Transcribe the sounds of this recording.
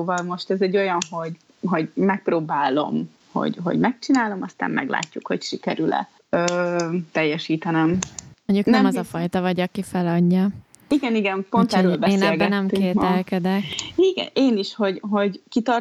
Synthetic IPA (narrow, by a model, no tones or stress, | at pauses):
oːvɒlmo̞ʃt̪ɛzɛɟːo̞jɒnɦo̞ɟ | ɦo̞ɟmɛk̚proːbaːlo̞̰m | ho̰ɟɦo̞̰ɟmɛk̚t͡ʃinaːlo̞mɒst̪a̰ːmmɛ̰ɡla̰ːcːukho̞̰cʃikɛɾylɛ̰ | øːt̪ɛjːɛʃiːt̪ɛnɛmmoɲɟuknɛmɒzɒfɒjt̪ɒvɒɟɒkifɛlɒɲːɒ | iɡɛniɡɛmpontɛɾøːlbɛesːnelɡɛtnɛmːykeːt̪ɛlkɛd̪ɛkiɡɛ̰neːniʃho̞ɟɦo̞ɟkit̪ɒr